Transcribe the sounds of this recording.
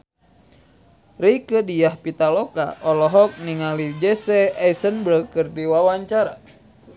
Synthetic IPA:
rikədijahpit̪alɔka̰ʔɔlɔɦɔk̚niŋalid͡ʒɛsɛasənbɾəkɨrdiwawaɲt͡ʃaɾa̰

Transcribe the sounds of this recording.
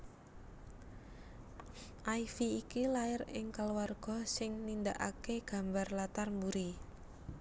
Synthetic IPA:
ʔaifiːkilaɪrɪŋkaluwarɡ̥ɔ̤sɪŋnind̪aʔakeɡ̥a̤mbarlat̪armbuɾi

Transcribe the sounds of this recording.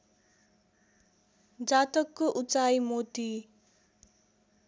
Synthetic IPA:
d͡zat̪ʌkːoʔut͡sajmot̪i

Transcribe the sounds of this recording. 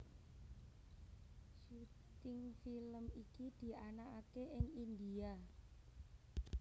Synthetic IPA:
ʃu | t̪ɪŋfiləmikid̪̥i̤anakakeʔɪŋind̪ia

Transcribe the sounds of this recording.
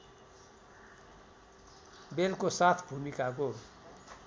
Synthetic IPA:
belkosat̪ʰbʱumikako

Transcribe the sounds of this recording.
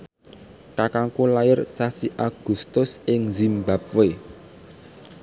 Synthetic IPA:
kakaŋkulajɪrsasiʔaɡ̥ṳst̪ʊsɪŋzimbap̚we

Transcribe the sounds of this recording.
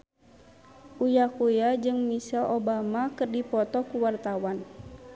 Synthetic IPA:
ʔujakujad͡ʒɨŋmisalobamakɨrdipɔt̪ɔkuwart̪awan

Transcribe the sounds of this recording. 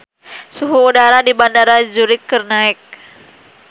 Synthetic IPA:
suɦuːdaɾadibandaɾad͡ʒuɾɪk̚kːərnaɛk̚

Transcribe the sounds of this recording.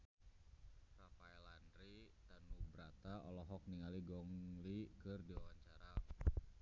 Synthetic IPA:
rapaɛlandɾit̪anubɾat̪aɔlɔɦɔk̚niŋaliɡɔŋlikɨrdiawaɲt͡ʃaɾa

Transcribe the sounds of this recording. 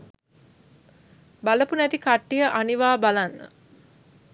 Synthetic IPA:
baləpunæt̪ikaʈːijəʔaniʋaːbalanːə̰

